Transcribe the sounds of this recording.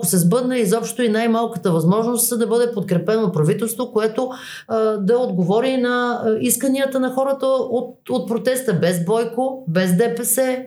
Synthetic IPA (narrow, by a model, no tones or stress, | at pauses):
kosɛzbɤd̪nəizɔpʃt̪oinajmalˠkət̪əvɐzmɔʒnost̪zɐd̪ɐbɤd̪ɛpot̪̚kɾɛpɛnopɾɐvit̪ɛlˠst̪vokoɛt̪o | d̪ɐod̪ɡovɔɾinɐiskəniət̪ənɐxɔɾət̪əot̪ot̪̚pɾot̪ɛst̪əbɛzbɔjkobɛzd̪ɛpɛsɛ